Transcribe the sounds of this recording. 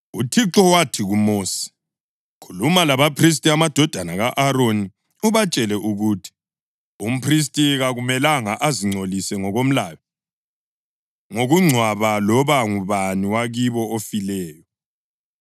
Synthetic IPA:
ṵtʰiǁɔwatʰiɣumoːsi̥ | kʰulumalaβapʰris̬tʼiamad̥ʱɔd̥ʱanaɣaʔaɾoni | uβat͡ʃʼɛlɛʔuɣutʰi̥ | um̩pʰris̬tʼiɣaɣumɛlaŋaʔaziŋ͡ǀʱolisɛŋɔɣom̩laːwɛ | ŋoɣuŋ͡ǀʱwaβalɔβaŋuβaniwaɣiβɔofilɛːjɔ

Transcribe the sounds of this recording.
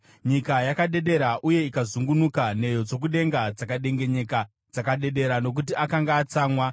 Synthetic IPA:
ɲikajakaɗe̞ɗe̞ɾaʔuje̞ikazuŋɡunukane̞jo̞d͡zo̞k̬uɗe̞ŋɡad͡zakaɗe̞ŋɡe̞ɲe̞ka | d͡zakaɗe̞ɗe̞ɾano̞k̬ut̬iakaŋɡaːt͡saːmwa

